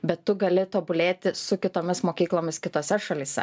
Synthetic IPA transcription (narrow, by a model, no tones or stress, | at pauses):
bʲɛt̪ːʊɡɐlʲɪt̪oːbʊlʲeːt̪ʲɪsʊkʲɪt̪oːmʲɪsmoːkʲiːklˠoːmʲɪskʲɪt̪oːsʲɛʃɐlʲiːsʲɛ̰